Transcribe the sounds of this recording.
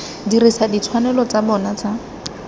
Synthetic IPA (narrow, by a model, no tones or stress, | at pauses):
dirisadit͡sʰwanɛlɔt͡sabɔnat͡sa